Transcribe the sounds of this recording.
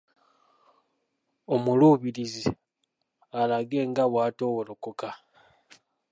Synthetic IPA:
o̞muluβiɾizi | alaɡe̞ːŋɡaβwaːto̞ːwolokoka

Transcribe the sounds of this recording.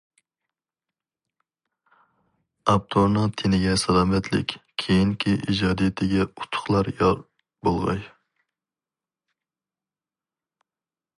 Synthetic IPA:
ɑp̚t̪ʰoɾnɨŋt̪ʰenɪɡʲɛsɑd̪ɑmɛt̪ʰlɪ̰kʲkʲʰejiŋkʲʰiʔid͡ʒɑːd̪ijt̪ʰɪɡʲɛu̥t̪ʰːʊ̥χlˠɑɾj | bolˠʁɑ̰j

